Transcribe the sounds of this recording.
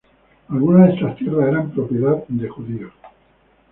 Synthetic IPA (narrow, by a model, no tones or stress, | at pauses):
alɣ̞unazðest̪ast̪jeɾrðaseɾampɾo̞pje̞ðaðd̪e̞xuðio